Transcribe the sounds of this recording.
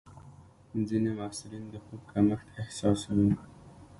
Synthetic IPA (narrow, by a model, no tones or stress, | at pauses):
zinemasɪlind̪əxub̚kʰaməxt̪ehsɑsawi